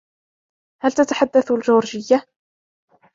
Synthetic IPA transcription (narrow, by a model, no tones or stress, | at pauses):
halt̪at̪aħad̪ːaθlʒuːɾʒɪjːa